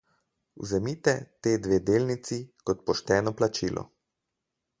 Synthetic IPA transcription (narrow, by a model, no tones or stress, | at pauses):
ṵzɛmit̪ɛt̪eːd̪ʋeːd̪eːlnit̪sikɔt̪̚pɔʃt̪ɛːnɔplat͡ʃiːlʔɔ̰